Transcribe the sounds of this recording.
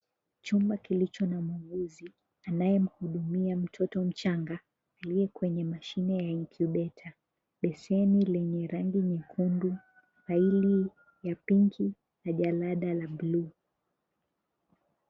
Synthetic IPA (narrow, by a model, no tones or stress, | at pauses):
t͡ʃumbakilit͡ʃɔnamuŋɡuzi | anajɛm̩huɗumiam̩tʰɔtɔm̩t͡ʃaŋɡaː | liɛkwɛɲɛmaʃinɛjaiŋkʰuɗɛtʰa | ɓɛsɛnilɛɲɛɾaŋɡiɲɛkʰundu | ɾaili | japiŋkʰi | naʄalaɗalablu